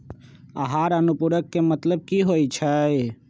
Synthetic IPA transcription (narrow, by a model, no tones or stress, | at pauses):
aɦaːɾənupuɾəkːemət̪ləb̚kiɦojt͡ʃʰəj